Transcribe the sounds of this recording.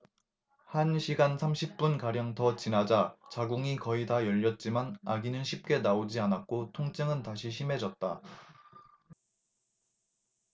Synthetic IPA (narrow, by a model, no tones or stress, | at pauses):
hanɕʰiɡansʰamɕʰip̚p͈unkaɾjʌŋtʰʌt͡ɕinad͡ʑat͡ɕaɡuŋikʌitajʌʎːʌt̚t͡ɕ͈imanaɡinɯnɕʰip̚k͈e̞naod͡ʑianak̚k͈otʰoŋt͡ɕ͈ɯŋɯntaɕʰiɕʰime̞d͡ʑʌt̚t͈a